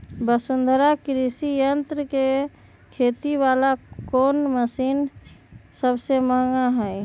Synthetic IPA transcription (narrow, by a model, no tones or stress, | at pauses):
bəsʊnd̪ʱɾakɾisijənt̪ɾəke | kʰet̪iʋalakoːnməsiːn | səbseməɦŋaɦɛj